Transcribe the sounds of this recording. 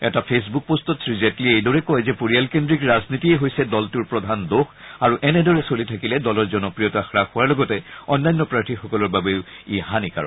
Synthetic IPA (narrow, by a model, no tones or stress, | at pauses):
ɛtapʰes̬buk̚postɔtsʰɹizetliejdɔɹɛkɔjzɛpoɹijalkendɹikɹaznitiɛɦojsɛdɔltuɹpɹɔdʱandoxaɹuʔɛnɛdɔɹɛsolitʰakilɛdɔlɔɹzɔnɔpɹijɔtaxɹaxʊwaɹlɔɡɔtɛɔnːajnːɔpɹaɹtʰixɔkɔlɔɹbabeʊihanika̰ɹɔ̰